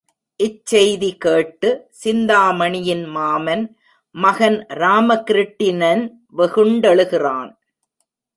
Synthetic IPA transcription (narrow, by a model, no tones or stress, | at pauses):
ʔɪt͡ʃːɛjðikeːʈːɯsɪnd̪aːmɐɳɪjɪnmaːmɐn | mɐɣɐnɾaːmɐkɪɾɪʈːɪnɐn | ʋɛɣɯɳɖɐɭɯɣɪraːn